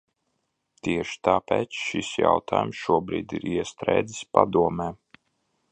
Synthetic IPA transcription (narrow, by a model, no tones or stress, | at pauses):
t̪iɛʃi̥t̪aːpɛːt̪sʃisja̰wt̪ʰa̰ːjumsʃuɔbɾḭːd̪iɾiɛst̪ɾɛ̰jd̪zispad̪uɔmɛː